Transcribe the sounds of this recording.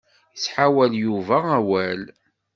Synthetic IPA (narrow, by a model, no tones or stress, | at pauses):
əsħawæljuvææwæl